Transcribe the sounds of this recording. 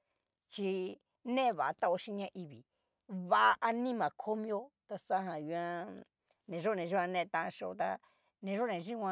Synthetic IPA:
t͡ʃi˧ | nẽ˦˧βa˨a˧t̪a˦o˧ʃi˦˧ɲã˧˦ʔi˧βi˨ | βa˧˨a˧ʔa˧nĩ˦mã˨kʰo˦mĩ˦o˦t̪a˧sa˦ɦã˧˨ju˧ã˦˧ | nẽ˨ʒo˦˨nẽ˨ʒi˦˧ã˧nẽ˧t̪ã˧ʃo˧o˧t̪a̰˧ | nẽ˨˧ʒo˦˨nẽ˨˧ʒi˦wʷã˧

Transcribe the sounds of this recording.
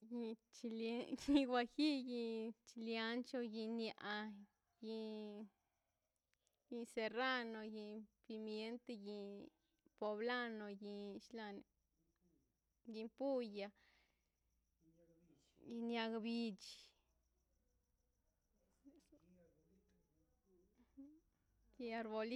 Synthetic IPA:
ji˧t͡ʃi˧ji˧ɡwʷa˧xi˦ji˧t͡ʃi˧lja˧˦nt͡ʃo˧ji˧nja˧˨ʔa˧ | ji˧ | ji˧se˧ra˦no˧ji˧pi˧mje˦nt̪e˧ji˧ | po˧bla˦no˧ji˧ʃla˧n˨ | ɡi˧pu˦ja˧ | ji˧nja˧ɡbi˧t͡ʃ | ji˧a˧ɾbo˧l

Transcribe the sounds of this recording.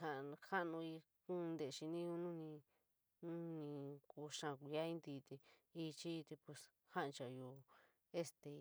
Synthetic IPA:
ha˧˨˧ha˦˧nũ˧i˧ | kũ˦˧nd̪e˧˨˧ʃi˧nĩ˦u˧nũ˦nĩ˧ | nũ˦nĩ˧ku˧ʃã˧˨kʷi˧a˦ĩ˦nd̪i˧t̪e˧i˧t͡ʃi˦i˧t̪e˧pe˧s | ha˦˧t͡ʃa˨juː˧ | e˦st̪e˧

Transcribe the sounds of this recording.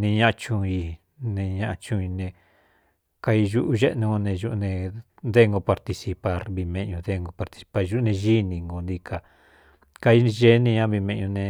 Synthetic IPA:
nĩ˧ɲã˦a˧t͡ʃũ˧i˧ | nẽ˧ɲã˧ʔa˧t͡ʃũ˧i˧nẽ˧ | ka˧i˧ʒu˦ʔu˧ʒe˦ʔnũ˧o˧nẽ˧ʒu˦ʔnẽ˧ | nd̪e˦˧ŋɡo˧pa˧ɾt̪i˧si˧pa˧ɾβi˧mẽ˧ʔɲũ˧d̪e˦˧ŋɡo˧pa˧ɾt̪i̥˨si̥˧pa˧ɾʒu˦nẽ˧ʒi˦nĩ˧ŋɡo˧nd̪ĩ˧ka˧ | ka˧i˧ʒe˦nĩ˧ɲã˦βi˧mẽ˧ʔɲũ˧nẽ˧

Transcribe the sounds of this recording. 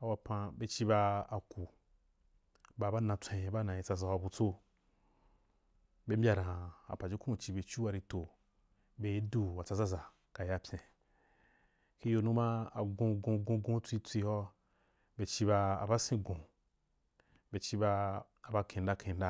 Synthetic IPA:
a˨wa˧pã˧be˧t͡ʃi˦ba˧a˨ku˨ | ba˧˨ba˦nã˧t͡sʷẽ˧˨˦ba˦nã˨ji˨t͡sa˧za˧˨wa˧bu˧t͡so˦ | be˦m˦bʲa˧ɾã˨a̰˨pa˨d͡ʒi˦kũ˦u˨t͡ʃi˧be˧t͡ʃu˦wa˧ɾi˧to˨ | be˧˦du˦wa˨t͡sa˧za˦za˨ | ka˨ja˧pʲẽ˨ | ki˦jo˧nũ˦mã˦a̰˨ɡõ˧ɡõ˧ɡõ˧ɡõ˦t͡sʷi˧t͡sʷi˧hɔ˦ | be˧t͡ʃi˧˦ba˧a˨ba˦sĩ˦ɡõ˨ | be˧t͡ʃi˦ba˧ | a˨ba˧kʰẽ˨n˦da˦kẽ˨˧˨n̩˦da˦

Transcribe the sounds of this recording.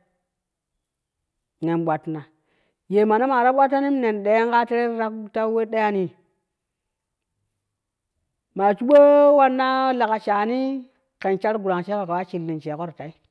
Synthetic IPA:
ne˨nɓʷa˨tna˨ | je˨ma˨na˦ma˨ɾa˦ɓʷa˦tːa˦ni˦m˦ne˨nɗe˨ja˦ŋɡa˦te˦ɾe˦ɾa˦kta˦we˦ɗa˦ja˦ni˨ | ma˨t͡ʃu˦ɓo˦wa˦nːa˦la˨ka˨t͡ʃa˨ni˦ | ke˨nt͡ʃa˦ɾɡu˨ɾa˨ŋt͡ʃe˦ka˨ka˨wa˦t͡ʃi˨lːi˨nt͡ʃe˨ko˦ɾta˨i˦

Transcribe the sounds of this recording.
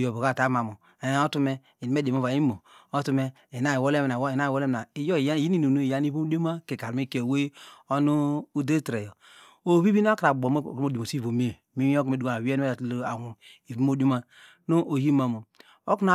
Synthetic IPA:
jo˨bo˨ka˦˨ta˦ma˨mo˨ | e˨˦o˦tu˦me˦ | i˨ni˨me˦de˨m˦o˦˨va˨i˦mo˨o˦tu˦me˦ | e˨na˦˨wo˦le˦m˨a˨˦˨na˦˨wo˦le˦m˨a˨i˨jo˦˨ja˦˨ji˦i˦nu˨no˦˨ja˦ni˦bu˦do˦ma˦ke˨ka˨ɾmi˦ke˨we˦o˦nu˦u˦de˦tɾe˨jo˨ | o˨βi˦bi˦n˦a˦ka˨bo˨m˦˨ko˦di˨mo˨si˦vo˨me˦ | mi˦o˦kme˦du˨a˨a˨wi˦e˦e˦a˨˦lo˦a˨wu˨i˨vi˦o˦do˦ma˦ | no˦ʔo˨ji˦ma˨mo˨ | o˦ku˦na˨

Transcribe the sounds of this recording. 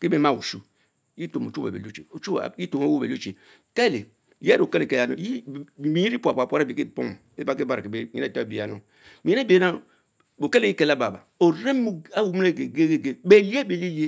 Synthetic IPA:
ke˦be˦ma˦˨wṵ˨ʃu˦ | ji˦to˨mo̰˨t͡ʃu˦ḛ˨bḛ˨o˦t͡ʃḛ˨o˨t͡ʃṵ˦˨ji˦to˨mo˦o˦be˨lo˦t͡ʃe˨ | kɛ˦le˨ | je˦ɾo˨kɛ˦le˨ke˦˨a˨no̰˦ji˦˨mi˨˦i˦ɾi˦pu˨a˨pa˨pʷa˦ɾa˦bi˨ke˦˨po̰˦m˨ | e˦ba˨ke˦ba˦ɾke˨be˦˨ḭ˦e˦˨ta˦˨be˨a˨no˨ | mi˨˦e˦be˨˦na˦˨ | o˨ke˦le˨ji˦ke˨la˦ba˨ba̰˨o˨ɾe˦m˦u˦a˦wu˨m˦ne˦˨ɡe˨ɡe˦ɡe˦ɡe˦be˦˨li˦e˦be˨li˦je˦

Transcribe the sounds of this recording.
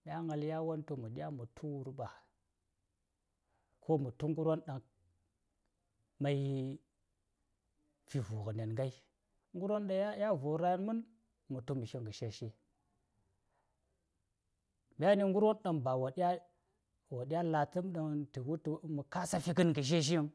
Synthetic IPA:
ɓʲa˦ŋa˨lja˦wo˦nto˨mu˨ɗi˦a˦mu˨tʰu˦wu˦ɾɓa˨ | ko˦mu˨tu˦ŋɡu˦ɾwo˦nɗa˨ŋ | ma˨j | fi˨vu˨ɣə˨ne˨nŋɡa˦i˦ | ŋɡu˦ɾwo˦nɗa˨˦ja˦vu˨˦ɾa˦ja˦nmu˦n | mu˨tu˦mi˨ʃi˦ŋɡə˨ʃe˦ʃe˦ | m˨a˦ni˨ŋɡu˦ɾwo˦nɗa˨ŋba˨wo˨ɗa˦ | wo˨ɗi˦ja˦la˨tə˦mɗə˨ŋtə˨wu˦tu˦mu˨ka˦sa˦fi˦ɡɨ˦nɡə˨ʃ̬e˦ʃ̬i˦i˦ŋ

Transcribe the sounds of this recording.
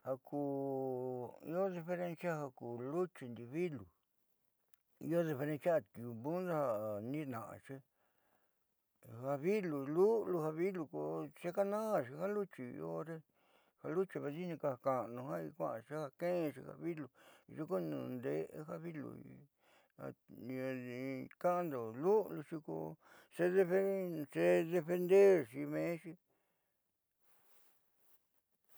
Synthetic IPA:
ha˧kʰuː˨˧˨ | ḭ˧˦o˦ði˧fe˧ɾe˧nsja˦ha˧kuː˨lu˦t͡ʃi˧nd̪i˧βi˦lu˨ | ḭ˧o˦ði˧fe˧ɾẽ˧nsja˦˧t̪u˨bũ˦nda˦ha˧˨nĩ˦nã˨ʔã̰˧˨t͡ʃi˦ | ha˧βi˦lu˨˧lu˦lu˧ha˧βi˦lu˧ko˧t͡ʃe˦ka˦nã˦˧ʃi˧ha˦lu˦t͡ʃi˧o˦ɾe˦ | ha˧lu˦t͡ʃi˧βa˧t͡ʃi˦nĩ˧ka˧a˨ka˨nũ˧ɦã˦i˧kʷã̰˦ʔã˧ʃi˦ha˧kẽ˦˧ʃḭ˧ha̰˧βi˦lu˨ʒi˧ko˦nṵ̃˧˨nd̪e˦ʔha˦βi˦lṵ˨ḭ˧ | a̰˧˨˧ | kã˦ã˦˧nd̪o˨lu˦lu˧ʃi˧ko̰˧ | se˦ðe˧fe˦˧se˦ðe˧fe˧nd̪e˦ɾʃi˧mẽ˨˧˦ʃi˦

